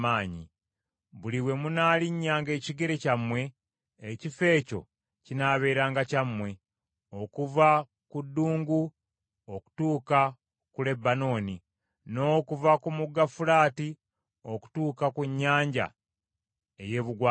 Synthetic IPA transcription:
aːɲḭ | βuliwe̞munaːliɲːaːŋɡe̞ːciɡe̞ɾe̞camwe̞ː | cife̞ːco̞̰ | cinaːβe̞ːɾaːŋɡacamwe̞ | o̞kuva | kudːuːŋɡu | oku̥tuːka | kule̞bːano̞ːni | no̞ːkuvakumuɡːafulaːti | oku̥tuːkakuɲːaːɲɟa̰ | eje̞ːβuɡwa

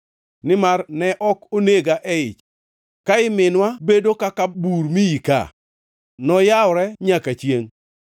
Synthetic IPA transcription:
nɪmarnɛʔɔkoneɡaʔɛɪt͡ʃ | kaɪmɪnwabedokakabuɾmiika̰ | nɔjawɾɛɲakat͡ʃjeŋ

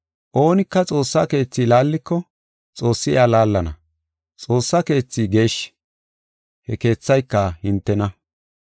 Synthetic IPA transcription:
ʔo̞ːnɪkːɐt͡sʼo̞ːsːake̞ːt͡sːiːlaːlːɪkːɔ | t͡sʼo̞ːsːɪɪaːlaːlːɐnɐ̰ | t͡sʼo̞ːsːɐke̞ːt͡sːiɡe̞ːʃ | hɛke̞ːt͡sːɐjkːɐhɪnt̪ːɛnɐ

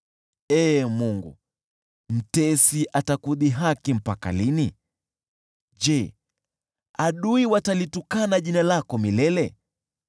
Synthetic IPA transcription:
ɛːmuŋɡṵ | m̩tɛsiʔatakuðiɦakim̩paka̰lini | ʄɛ | aɗuiwatalitukanaʄinalakɔmilɛlɛ

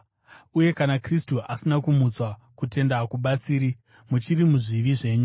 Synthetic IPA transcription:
uje̞kanakristuasinakumut͡swakute̞ndakuɓat͡siːɾi | mut͡ʃiɾimuʐiʋiʐe̞ːɲu

